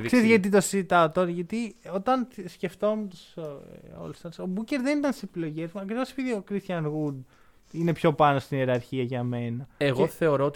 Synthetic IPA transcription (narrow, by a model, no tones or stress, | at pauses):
seɾtʝɐt̪̬it̪osizit̪ɐot̪oɾʝɐt̪io̞t̪ɐnsce̞ft̪o̞met̪u̥so̰lst̪ɐso̞buce̞ɾðe̞nit̪ɐnt̪i̥sepilo̞ʝezmɐkɾivo̞sepiðiokɾist̪çɐnɣud̪ | ine̞pço̞pɐno̞st̪ineɾɐɾçiɐʝɐme̞nɐeɣo̞θe̞o̞ɾo̞ot̪